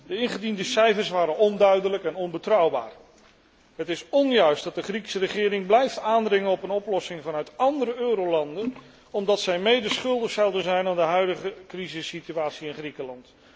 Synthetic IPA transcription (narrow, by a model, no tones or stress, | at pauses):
dəɪnχədindəsɛjfəɹsʋaːɾənɔndœɥdələkɛnɔnbətrʌwba̰ːr | ɦətɪsɔnjœɥsdɑt̚dəχriksərəχɪːɾɪŋblɛjftaːndrɪŋənɔpənɔplɔsɪŋvɑnœɥtɑndəɾəøːɾowlɑndən | ɔmdɑtsɛjmejdəsχɵlˠdəχsɑwdənzɛjnaːndəɦœɥdəχəkrizɪsityaːtsiɪnχrikəlɑnt